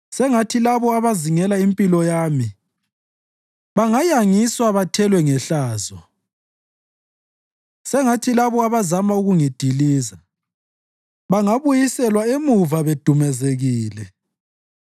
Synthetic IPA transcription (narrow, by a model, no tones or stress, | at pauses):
sɛŋatʰilaβɔaβaziŋɛlaimpʼilɔjaːmi | βaŋajaŋiswaβatʰɛlwɛŋɛɬaːzɔ | sɛŋatʰilaβɔaβazamauɣuŋid̥ʱiliːza | βaŋaβujisɛlwaemuvaβed̥ʱumɛzeɣiːlɛ